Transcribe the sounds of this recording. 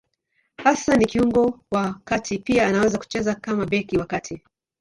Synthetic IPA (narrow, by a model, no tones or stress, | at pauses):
hasanikiuŋɡɔwakatʰipiaːnawɛzaku̥t͡ʃɛzakamabɛkiwakatʰi